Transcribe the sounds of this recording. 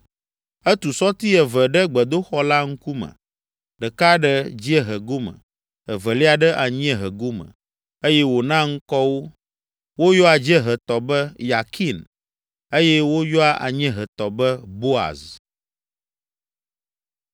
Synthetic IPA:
ɛ˦t̪u˨sɔ˦t̪i˦ɛ˨və˨ɖɛ˦ɡ͡bɛ˨d̪o˦xɔ˦la˦ŋ̩˦ku˦mə̰̃˨ | ɖɛ˨ka˦ɖɛ˦d͡ʑi˦ɛ˦ɦɛ˨ɡo˦mə̰˨ | ɛ˨və˨li˦a˨ɖɛ˦ʔa˨ɲ˦ɛ̃˦ɦə˨ɡo˦mə̰̃˨ | e˦jɛ˦wo˨nã˦ŋ̩˦kɔ˦wo˦ | wo˦jɔ˦a˨d͡ʑɛ˦ɦɛ˨t̪ɔ˨bɛ˦ja˨kʰi˦n | e˦jɛ˦wo˦jɔ˦a˨ʔa̰˨ɲɛ̃˦ɦɛ˨t̪ɔ˨bɛ˦bo˦a̰˨z

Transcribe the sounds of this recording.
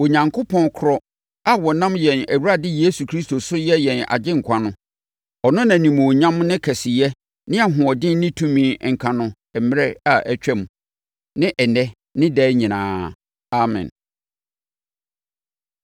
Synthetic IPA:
o˨ɲã˨ŋkʰo˦pʰɔ̃˦nkʰʊ˨˦ɾɔ˦ | a˦wɔ˨nã˦mjɛ̃˨næ˨wu˦ɾa˦dɪ˦je˦su˨kʰɾi˦sto˨sʊ˦jɛ˦jɛ̃˨na̰˨d͡ʑɪ̃˦ŋ̩˨kʷʰã˨nʊ̃˦ | ɔ˨nʊ̃˦nã˨nĩ˨mõ˨ɲã˦m˦nɪ̃˦kʰɛ˨sɪ˨jɛ˦ | nɪ̃˦a˨ɦʊ̃˨ɔ˨dɪ̃˦nɪ̃˦tʰũ˦mĩː˨ŋ̩˨kʰã˨nʊ̃˨ | ɛ˨mɪ˦ɾɛ˦a˨ʔɛ˦˨t͡ɕᶣɛ˦mũ˨ | nɪ̃˦ʔɛ˨nɛ˦ | nɪ̃˦dɛː˦ɲĩ˨nã̰ː˨˦ | a˨mɛ̰̃˨n

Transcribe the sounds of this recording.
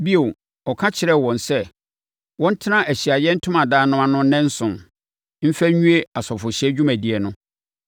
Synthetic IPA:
bi˦o˨ | ɔ˨kʰã˦t͡ɕʰɪ˨ɾɛ˦˨wɔ̃˨nsɛ˦ | wɔ̃˦n̩˦tʰɪ˦nã˦ʔæ˨ɕi˨a˨jɛ˦n̩˦tʰʊ̃˦mã˨daː˦nʊ̃˦a˨nʊ̃˦nɛ̃˦n̩˦sʊ̃˨n | m̩˦fæ˦ɲũ˦e˦a˨sɔ˨fʊ˨ɕɛ˦d͡ʑᶣu˦mæ̃˨di˨ɛ˨nʊ̃˦

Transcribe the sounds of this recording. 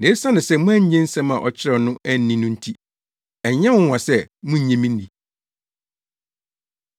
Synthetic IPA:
ne˨˦sa˦nɪ̃˨sɛ˦mʊ̃˦æ̃˦ɲ˦ɲɛ̃˦n̩˦sɛ̃˦mã̰˨ʔɔ˨t͡ɕʰɪ˦ɾɛ˨nʊ̃˦ʔæ˦n̩ː˦ĩ˦nʊ̃˦n̩˦tʰi˦ | ɛ˨ɲɛ̃˦ʊ̃˦wã˨sɛ˦mʊ̃˦˨ɲẽ˨mĩ˦nː˦ĩ˨

